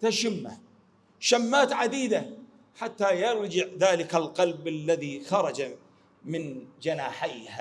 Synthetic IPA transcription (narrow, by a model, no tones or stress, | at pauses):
t̪aʃɪmːa | ʃamːaːt̪ʕad̪iːd̪a | ħat̪ːajɑɾˤd͡ʒɪʕðaːlɪkalqɑlbalːaðixɑɾˤɑd͡ʒa | mɪnd͡ʒanaːħajha